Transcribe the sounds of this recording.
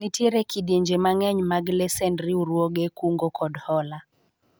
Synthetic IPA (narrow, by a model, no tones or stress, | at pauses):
nitʰiɾekiɗjeɲd͡ʒemaŋɛɲmaɡlɛsɛndɾiuɾwoɡekuŋɡokʰɔdhɔla